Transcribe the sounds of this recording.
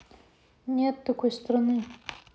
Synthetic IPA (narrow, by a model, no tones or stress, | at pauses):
nʲet̪̚d̪ɐkojst̪ɾɐnɨ